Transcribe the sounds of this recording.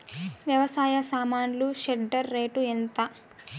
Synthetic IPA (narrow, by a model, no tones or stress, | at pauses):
ʋjɐʋɐsaːjɐsaːmaːnluʃeɖɐɾːeːʈuent̪ɐ